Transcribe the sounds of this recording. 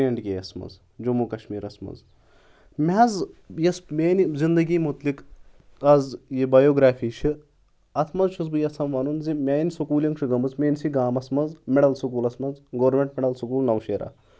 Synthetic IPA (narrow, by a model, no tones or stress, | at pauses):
ɐɳʈɡʲeːjɐsmɐ̰z | d͡ʒomuːkɐʃmiːɾɐsmɐ̰z | mʲazjɐsmeːnizind̪ɐɡiːmut̪lik | ɐzjibɐjoːɡɾaːfʰiːʃʰɨ | ɐt̪ʰmɐzʃʰuzbɨjɐsʰɐmʋɐnunzimʲaːjnʲisɐkuːliŋɡʃʰɨɡɐmɐzmʲeːnʲsiɡaːmɐsmɐzmʲeɽɐlsukuːlɐsmɐnzɡoːɾmʲeɳʈmeɽɐlsukuːlnɐʋʃeːɾa̰ː